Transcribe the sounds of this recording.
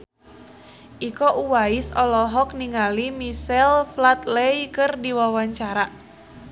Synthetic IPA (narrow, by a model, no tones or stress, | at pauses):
ʔikɔʔuwaisɔlɔɦɔk̚niŋalimisɛlflat̪lejkɨrdiwawaɲt͡ʃaɾa